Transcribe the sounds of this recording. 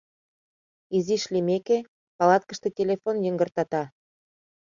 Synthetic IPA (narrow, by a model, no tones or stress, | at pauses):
iziʃlimeke | pɑlɑt̪̚kəʃt̪etʲelʲefonjəŋɡərt̪ɑt̪ɑ